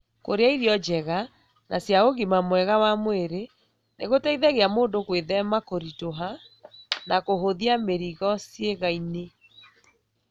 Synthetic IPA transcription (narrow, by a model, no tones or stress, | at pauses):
ko̰ɾeaiɾiɔd͡ʒɛɣa | nasjaoɣimamwɛɣawamweɾe | neɣotɛiðɛɣeamoːndokweðɛmakoɾitoɦa | nakoɦoðiameɾiɣɔsjeɣaine